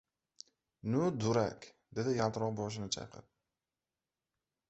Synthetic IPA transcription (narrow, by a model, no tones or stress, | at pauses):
nʊd̪ʊɾa̰kʲ | d̪e̞d̪ɪjalˠt̪ɾɒʁbɒʃ̬ɪnɪt͡ʃʰɑ̰qʰɨ̰p̚